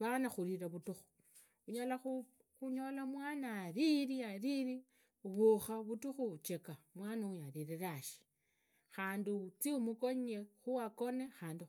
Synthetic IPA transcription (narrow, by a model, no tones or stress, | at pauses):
βanaxuɾiɾaβutuxu̥ | uɲalaxu | xuɲo̞lamwaːnaːɾiɾiaɾiɾi | uβoxaβutuxut͡ʃe̞kamwaːnaujaɾiɾeɾaʃi̥ | xaːndit͡siumuko̞ɲexuwako̞ne̞xaːndi